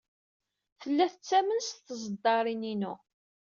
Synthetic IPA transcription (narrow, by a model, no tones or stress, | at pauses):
θəlːæθət͡sːæmənsθəzəd̪ːɑɾˤininṵ